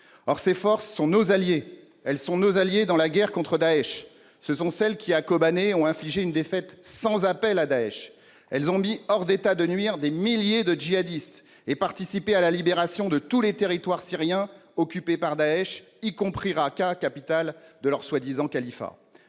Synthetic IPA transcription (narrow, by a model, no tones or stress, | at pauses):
ɔʁsefɔʁsːɔ̃nozalje | ɛlsɔ̃nozaljed̪ɑ̃laɡʲɛʁkɔ̃t̪χəd̪aɛʃ | səsɔ̃sɛlkʲiakɔbaneɔ̃ɛ̃fliʒeynd̪efɛt̪sɑ̃zapɛlad̪aɛʃ | ɛlzɔ̃miɔʁd̪et̪ad̪ənɥiʁd̪emiljed̪əʒiad̪ist̪ | epaʁt̪isipealalibeʁasjɔ̃d̪ət̪ulet̪eʁit̪waʁsiʁjɛ̃ɔkʲypepaʁd̪aɛʃ | ikɔ̃pχiʁakakapit̪ald̪əlœʁswad̪izɑ̃kalifa̰